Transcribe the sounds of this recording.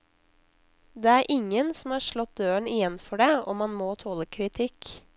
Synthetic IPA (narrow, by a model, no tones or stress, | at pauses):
d̪eːæːɾʔɪŋənsm̩ɑːʃɭɔt̪̚d̪øːəɳɪjɛnfɔɖeːoːmɑnmoːt̪ʰoːləkʰɾɪt̪ʰɪk